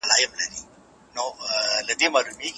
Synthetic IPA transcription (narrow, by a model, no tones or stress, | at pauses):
laːjɐmlaɾi | nolɐd̪imalumik